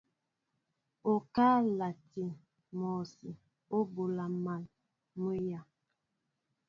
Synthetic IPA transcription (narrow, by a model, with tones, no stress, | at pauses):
o˨ka˦la˨ti˨ | mɔ˨si˨ | o˦bo˨la˨ma˨l | mə˦ja˨